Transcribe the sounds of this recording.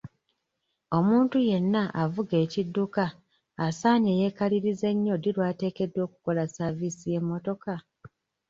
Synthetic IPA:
o̞muːntuje̞nːaʔavuɡe̞ːcidːukaː | saːɲe̞je̞ːkaliɾize̞ɲːo̞dilwaːte̞ːke̞dwo̞ːku̥ko̞lasavisije̞mːo̞to̞ka

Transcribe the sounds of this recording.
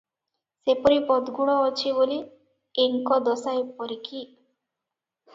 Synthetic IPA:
sepɔɾipɔd̪ɡuɽ̃ɔːt͡ʃʰiboliː | ŋkɔd̪ɔsajpɔɾiki

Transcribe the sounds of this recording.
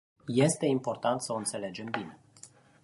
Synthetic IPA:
je̞st̪e̞impo̞rt̪ant̪səoɨnt̪se̞le̞d͡ʒe̞mbine̞

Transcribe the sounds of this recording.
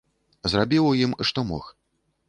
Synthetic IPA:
zrabʲiwjimʂt̪ɔmɔ̰x

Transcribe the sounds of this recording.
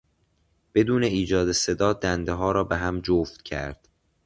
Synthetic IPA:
b̥e̞d̪uːneiːd͡ʒɒːd̪ese̞d̪ɒːd̪ænd̪eɦɒːɾɒːbeɦæmd͡ʒoft̪cʰæ̰ɾd̪̥

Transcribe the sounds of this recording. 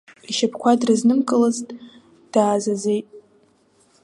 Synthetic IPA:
iʃapʰkʷʰadrɨznɨmkʼɨlɨztʼ | d̥aːzazejtʼ

